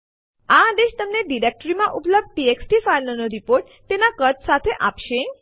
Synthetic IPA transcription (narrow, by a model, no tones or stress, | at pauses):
ad̪eʃt̪əmneɖiɾek̚ʈɾimãʔupləb̚d̪̚ʈieksʈifalnənoɾipoɾʈ | t̪ːenakəɾt̪sat̪ʰeʔapʃe